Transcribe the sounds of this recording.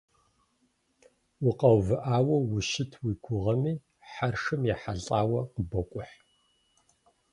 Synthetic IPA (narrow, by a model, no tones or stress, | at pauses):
wʊqɐwvɨʔaːwɐwʊʃɪtʰwikʷʰʊʁɐmiː | ħarʂɨmjaːħaɮʼaːwɐqəbɐkʷʼʊħ